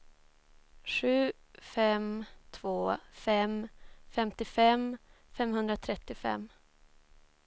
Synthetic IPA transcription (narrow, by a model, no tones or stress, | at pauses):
ɧʉ̟ː | fɛmt̪ʰvoːfɛmfɛmt̪ɪfɛm | fɛmhɵnd̪ɾat̪ʰɾɛt̪ːɪfɛ̰mː